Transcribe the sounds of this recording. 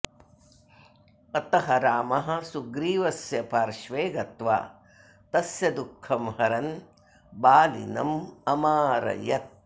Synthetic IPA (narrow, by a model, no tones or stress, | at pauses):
ɐt̪ɐɦɐɾaːmɐɦɐ̆suɡɾiːʋɐsjɐpaːɾʃʋeːɡɐt̪ʋa̰ː | t̪ɐsjɐd̪ukʰːɐmhɐɾɐn | baːlḭnɐ̰mɐmaːɾɐ̰jɐt̪̚